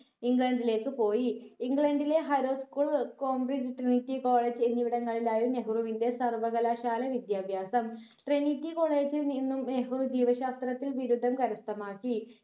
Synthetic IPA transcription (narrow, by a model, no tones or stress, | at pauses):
iŋɡɭɐɳɖile̞ːkːɨpo̞ːjiiŋɡɭɐɳɖile̞ɦɐjɾo̞ːskuːɭkoːmbrid͡ʑɨʈrinitːiko̞ːɭeːd͡ʑe̞nːiʋiɽɐŋːɐɭilaːjuneɦuruʋinde̞sɐrʋɐɣɐlaːɕaːlɐʋid̪jaːbʱjaːsɐm | ʈrenitːiko̞ːɭeːd͡ʑilninːumne̞ɦurud͡ʑiːʋɐɕaːst̪rɐt̪ːilʋiɾud̪ʱːɐmkɐɾɐst̪ɐmaːkːi